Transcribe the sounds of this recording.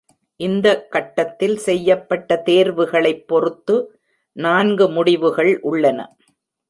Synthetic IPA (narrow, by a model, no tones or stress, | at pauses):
ʔɪnd̪ɐkːɐʈːɐt̪ːɪlsɛjːɐpːɐʈːɐt̪eːɾʋɯɣɐɭɐɪpːɔɾɯt̪ːɯ | naːnɡɯmʊɽɪʋɯɣɐɭʔʊɭːɐnɐ̰